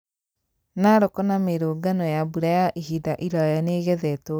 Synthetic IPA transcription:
naɾokɔnameɾoːɡanɔjabuɾajaʔihidaʔiɾajaneɣɛðɛto

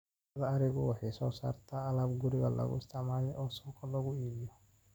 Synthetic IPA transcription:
ðɐɐɾɪɣʊwɑħɑjsɔːsa̰ːrt̪ʰaːɐlabɡʊɾɪɣɐlɐ̰ɣʊ̰ɪst̪ʰɪʕmaːlɛʔɔːsɔːkʰɐlɐɣʊiːbɪjɔ

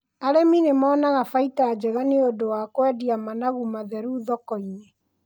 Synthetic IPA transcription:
aɾeminemɔːnaɣafaitaːd͡ʒɛɣaneodowakwɛdiamanaɣumaðɛɾuðɔkɔiɲe

